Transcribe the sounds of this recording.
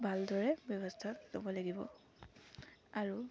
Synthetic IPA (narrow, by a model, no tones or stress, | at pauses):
bʱaldɔɹɛbjɔbɔstʰatlo̰bɔlaɡibɔ̰ | aɹu